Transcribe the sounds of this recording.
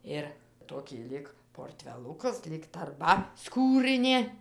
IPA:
ɪr ˈtoːkʲiː ˈlʲiːk poːrʲˈtʲʋʲæːlˠʊkɐs lʲiːk tɐrˈbɐ ˈskuːrɨnʲeː

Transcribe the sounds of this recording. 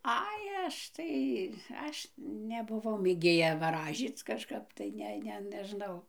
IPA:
ˈɐɪ ˈɐʃ tɐɪ ˈɐʃ nʲɛbʊˈʋɐʊ mʲeːˈɡʲeːjɛ ʋɐˈrɑːʒʲiːt͡s kɐʃˈkɐp tɐɪ ˈnʲɛ ˈnʲɛ nʲɛˈʒnɐʊ

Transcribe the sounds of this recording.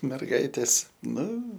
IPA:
mʲɛrˈɡɐɪtʲeːs ˈnʊ

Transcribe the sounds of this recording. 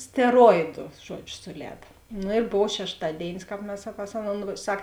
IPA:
sʲtʲɛˈroːɪdʊ ˈʒuɔd͡ʒʲʊ sʊˈlʲɛːdɐ ˈnʊ ɪr ˈboːw ʃʲɛʃˈtɑːdʲeːɪnʲɪs ˈkɑːp mʲɛs pɐs ˈɑːˌnoːn ˈsɐk

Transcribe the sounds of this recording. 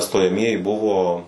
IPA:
stoːjɛˈmʲiɛjɪ ˈbʊʋoː

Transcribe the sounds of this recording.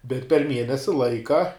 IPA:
bʲɛt pʲɛr ˈmʲiɛnʲɛsʲɪ ˈlˠɐɪkɐ

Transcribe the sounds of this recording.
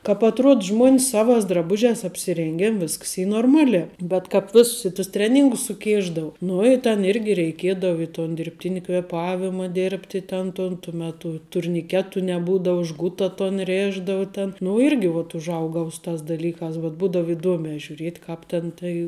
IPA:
kɑːp ɐtˈruɔt ˈʒmuɔnʲs ˈsɑːʋɑːs drɐˈbʊʒʲæːs ɐpʲsʲɪˈrʲeːŋʲɡʲeːn ˈʋʲɪsks ˈiː noːrˈmɑːˌlʲæː bʲɛt kɑːp ˈʋʲeːsʊs ɪ tʊs ˈtʲrʲæːˌnʲiːŋɡʊs sʊˈkʲeːʒdɐʋoː ˈnʊ ɪ tʲɛn ˈɪrʲɡʲɪ rʲɛɪkʲeːdɐw ɪ toːn dʲɪrʲpʲˈtʲɪnʲɪ kʋʲeːˈpɑːʋʲɪmɐ ˈdʲeːrʲpʲtʲɪ ˈtʲɛn toːn tʊ mʲɛˈtʊ tʊrʲnʲɪˈkʲæːtʊ nʲɛˈbuːdɐʊ ˈʒɡʊtɐ toːn ˈrʲeːʒdɐʋʊ tʲɛn nʊ ˈɪrʲɡʲɪ ʋɐt ʊʒˈɐʊɡɐʊ ˈsʊ ˌtɑːs dɐˈlʲiːkɑːs bʲɛt ˈbuːdɐw ɪˈduɔmʲɛː ʒʲuːˈrʲiɛtʲ ˈkɑːp tʲɛn tɐɪ

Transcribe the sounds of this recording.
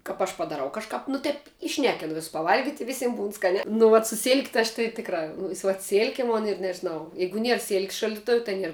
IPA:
kɐp ˈɐʃ pɐdɐˈrɐʊ kɐʃˈkɐp nʊ ˈtʲɛp iːˈʃʲnʲæːkʲɪnʊ ʋʲɪss pɐʋˈɐlʲɡʲɪtʲ ɪ ˈʋʲɪsʲɪm buːn ˈskɑːnʲæː nʊ ʋɐt sʊ sʲɪlʲkʲ tɨ ɐʃ tɨ ˈtʲɪkˌrɑː ˈnʊ sʲɪ ʋɐt ˈsʲɪlʲkʲɛ ˈmoːn ɪr nʲɛʒʲɪˈnɐʊ ˈjɛɪɡʊ ˈnʲiɛr sʲɪlʲkʲsʲ ʃɐlʲdʲɪˈtʊw tɐ ˈnʲiɛr

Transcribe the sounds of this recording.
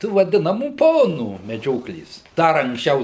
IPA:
ˈtuː ʋɐˈdʲɪnɐmuː ˈpoːnuː mʲɛˈd͡ʒʲoːklʲeːs ˈdɐr ɐŋksʲˈt͡ʃʲɛʊ

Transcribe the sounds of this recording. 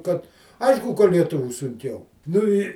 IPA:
kɐt ˈɐɪʃkʊ kɐ lʲiɛˈtʊʋʲuː sʊŋʲˈkʲɛʊ nʊ ˈɪ

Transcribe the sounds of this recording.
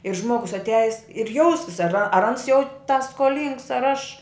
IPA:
ɪr ˈʒmoːɡʊs ɐtʲˈæːjɪs ɪr ˈjɛʊsʲɪs ɐr ɐr ɐns jɛʊ tɐ skoːˈlʲiːŋks ɐr ɐʃ

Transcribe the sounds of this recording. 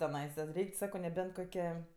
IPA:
tʲɛˈnɐɪsɐ ˈrʲɛɪkʲ ˈsɑːkoː nʲɛˈbʲɛnt ˈkoːkʲɛ

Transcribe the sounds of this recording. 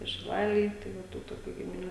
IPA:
ɪr ʃʲɪˈlˠɑːlʲeːj tɐɪ ˈʋɐ ˈtuː toːˈkʲuː ɡʲɪmʲɪˈnʲuː

